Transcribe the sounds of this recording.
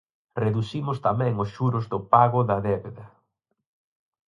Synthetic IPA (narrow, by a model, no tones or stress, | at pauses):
reðusimʊst̪amɛ̃ŋʊsʃuɾʊzðʊpaɣʊðɐðɛβeðɐ